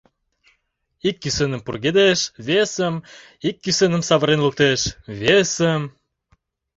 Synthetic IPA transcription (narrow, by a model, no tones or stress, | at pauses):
ikːysenə̆mpurɣed̪eʃvesəm | ikːysenəmsɑβə̆ɾenluk̚t̪eʃβesəm